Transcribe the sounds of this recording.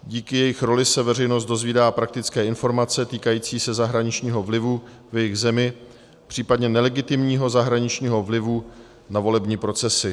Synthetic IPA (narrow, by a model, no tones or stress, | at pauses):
ɟiːkɪjɛjɪxɾo̞lɪsɛvɛr̝ɛjnos̬t̪̚do̞zviːdaːpɾak̚t̪ɪt͡skɛːɪnfo̞ɾmat͡sɛt̪iːkajiːt͡siːsɛzaɦɾaɲɪt͡ʃɲiːɦo̞vlɪvu | vjɛjɪɣzɛmɪ | pr̝̥iːpadɲɛnɛlɛɡɪt̪ɪmɲiːɦo̞zaɦɾaɲɪt͡ʃɲiːɦo̞vlɪvu | navo̞lɛbɲiːpɾo̞t͡sɛsɪ